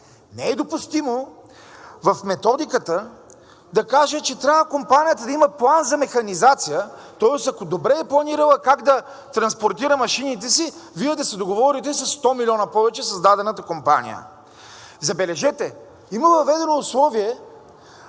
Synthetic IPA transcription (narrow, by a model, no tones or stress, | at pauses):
nɛɛd̪opust̪imo | vɐfmɛt̪ɔd̪ikət̪ə | d̪ɐkaʒət͡ʃɛt̪ɾʲabvəkompanʲijət̪əd̪ɐimɐplˠanzɐmɛxɐnizat̪sijət̪ɔɛst̪ɐkod̪obɾɛːplˠɐniɾəlˠəkaɡd̪ɐ | t̪ɾɐnspoɾt̪iɾəmɐʃinit̪ɛsivijɛd̪ɐsɛd̪oɡovɔɾit̪ɛsɐsːt̪ɔmilʲiɔnɐpɔvɛt͡ʃɛsɐzd̪ad̪ɛnət̪əkompa̰nḭjə̰ | zɐbɛlɛʒɛt̪ɛ | iməvɐvɛd̪ɛnoːslˠɔviɛ